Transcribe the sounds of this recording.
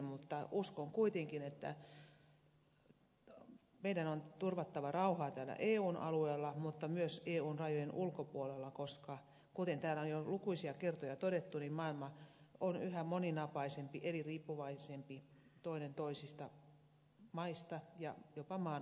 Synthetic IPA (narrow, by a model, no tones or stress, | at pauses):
mut̪ːɑʔuskoŋkuit̪eŋkinet̪ːæ̰ | meidænont̪urʋɑt̪ːɑʋɑrɑuhɑːt̪æːlːæ̰ʔeːuːnʔɑ̰lueːlːɑmut̪ːɑmyøseːuːnrɑjojenʔulkopuolelːɑkoskɑ | kut̪ent̪æːlːæonjolukuisiɑkert̪ojɑt̪odet̪ːunimmɑːilmɑonyhæmoninɑpɑisempiʔeliriːpːuʋɑisempi | t̪oinent̪oisist̪ɑ | mɑist̪ɑjɑ̰jopɑmɑː